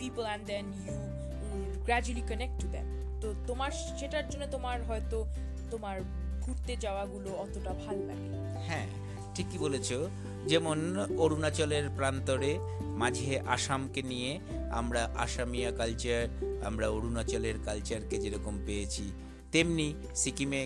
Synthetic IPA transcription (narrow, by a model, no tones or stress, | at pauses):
pipəlɛ̃nd̪ɛnju | ɡɾɛd͡ʑuəlikənek̚ʈʈːud̪ḛ̃m | t̪ot̪omaɾ | ʃeʈaɾd͡ʑonːet̪omaɾɦɔet̪o | t̪omaɾ | ɡʱuɾt̪ed͡ʑaoaɡuloɔt̪oʈabʱalna̰ɡḛ | hɛ̃ | ʈʰikːibolet͡ɕʰo | d͡ʑɛmonoɾunat͡ɕoleɾpɾant̪oɾe | mad͡ʑʱeʔaʃamkenije | a̰mɾaʔa̰ʃamijakalt͡ɕaɾa̰mɾaoɾunat͡ɕoleɾkalt͡ɕaɾked͡ʑeɾɔkompejet͡ɕʰi | t̪emni | sikime